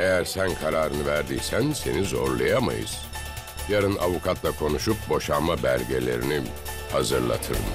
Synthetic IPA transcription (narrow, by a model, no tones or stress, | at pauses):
e̞jæɾsænkʰaɾaːɾɯnɯvæɾd̪iːsænse̞̰nizo̞̰ɾlˠajama̰jɯ̰z̥ | jaɾɯnavukʰat̪ʰlˠakʰo̞nuʃup̚bo̞ʃamabæɾʲɟelʲe̞̰ɾini | hazɯɾlˠa̰t̪ʰɯɾɯ̰m